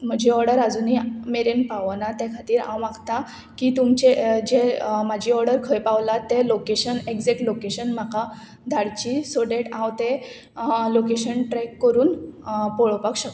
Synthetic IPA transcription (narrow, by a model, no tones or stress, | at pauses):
m̤əd͡ʑʱiɔɾɽəɾad͡zunimeɾenpaʋnat̪jakʰat̪iːɾã̰wʋãɡt̪a | kit̪umt͡ɕed͡ʑemad͡ʑʱiɔɾɽəɾkʰəjpawlat̪ːelokeɕəneɡd͡zek̚ʈlokeɕənm̤aka | d̪ʱaɽt͡ɕisoɽeʈãwt̪ẽ | lokeɕənʈɾɛkːəɾuːnpɔɭopakɕəkt̪